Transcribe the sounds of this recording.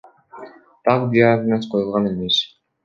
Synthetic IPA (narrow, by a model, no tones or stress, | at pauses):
t̪ʰɑqd̪iɑd̪mesqʰojulˠʁɑnemes